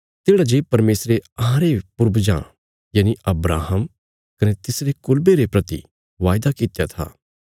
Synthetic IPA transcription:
t̪eːɽad͡ʒeːpɐɾmeːsɾeɐɦãɾepʊɾbd͡ʒã̰ː | jɐːniʔɐbɾaːɦəm | kɐnet̪ɪsɾekʊlbeɾepɾɐt̪ḭ | ʋaːjd̪akit̪jat̪ʰa̰ː

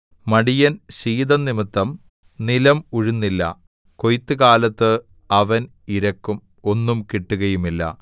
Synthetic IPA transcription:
mɐɽijɐnɕiːd̪ɐnːimit̪ːɐm | nilɐmuɻunːilːɐ̰ | ko̞jt̪ːɨkaːlɐt̪ːɨ | ɐʋɐn | iɾɐkːum | o̞nːumkiʈːuɣɐjumilːɐ̰

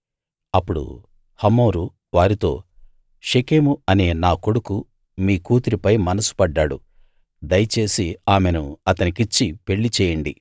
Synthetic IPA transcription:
ɐpːuɽṵ | hɐmːoːɾu | ʋaːɾit̪o̞ː | ʃekeːmuɐne̞ːnaːko̞ɽuku | miːkuːt̪iɾipɐjmɐnɐsu̥pɐɖːaːɽṵ | d̪ɐjɐt͡ʃe̞ːsiaːme̞nuɐt̪ɐnikit͡ʃːipe̞ɭːit͡ʃɛːjɐɳɖi

